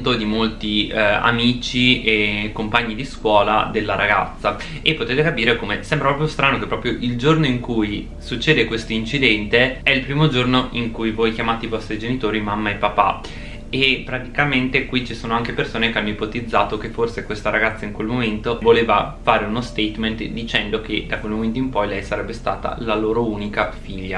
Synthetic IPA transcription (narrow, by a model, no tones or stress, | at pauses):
t̪od̪imolt̪ia̰miːt͡ʃiekːompaɲːid̪iskwɔːla̰d̪elːaɾaɡa̰t̪sːa | epːot̪eːt̪ekapiːɾekomesɛmbɾapɾɔp̬jost̪ɾaːnokepːɾɔːpɾjoʔild͡ʒornoiŋkuj | sut͡ʃːeːd̪ekwest̪oint͡ʃid̪ɛnt̪eɛilpɾiːmod͡ʒornoʔiŋkujvojkjamaːt̪eivɔst̪ɾid͡ʒenit̪oːɾimamːaepːapa̰ | epːɾat̪ikament̪ekwit͡ʃisoːnoaŋkepersoːnekeanːoipot̪id̪zːaːt̪ok̟efːorsekwest̪aɾaɡat̪sːaiŋkwelmoment̪ovoleːvafaːɾeunost̪ɛjt̪ment̪d̪it͡ʃɛnd̪ok̟ed̪akwelmoment̪̬oimpɔjlɛjsaɾɛbːest̪a̰ːt̪a̰laloːɾouːnikafiʎːa